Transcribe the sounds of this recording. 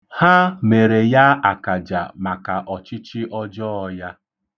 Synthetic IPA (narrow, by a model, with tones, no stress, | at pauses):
ha˦me˨ɾe˨ja˦a˨ka˨d͡ʒa̰˨ma˨ka˨ʔɔ˨t͡ʃɪ˦t͡ʃɪ˦ʔɔ˦d͡ʒɔ˦ɔ˦ja˦